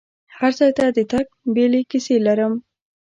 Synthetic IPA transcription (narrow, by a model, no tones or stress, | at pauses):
haɾzɑjt̪ad̪ət̪ak̚belekiselaɾəm